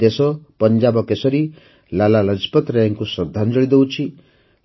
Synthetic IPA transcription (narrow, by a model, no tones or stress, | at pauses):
esɔpɔnd͡ʒabɔkesɔɾi | lalalʌd͡ʒpɔt̪ɾejɔŋkusɔd̪ʱːand͡ʒɔɭid̪ewt͡ʃʰi